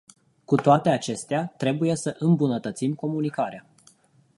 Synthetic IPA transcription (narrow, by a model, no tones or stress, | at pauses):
kut̪oat̪e̞at͡ʃe̞st̪eat̪ɾe̞buje̞səʔɨmbunət̪ət̪simko̞munikaɾea